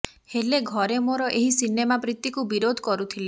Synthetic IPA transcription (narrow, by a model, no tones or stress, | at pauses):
heleɡʱɔɾemoɾɔʔeɦisinemabɾit̪ːikubiɾod̪ʱɔkɔɾut̪ʰile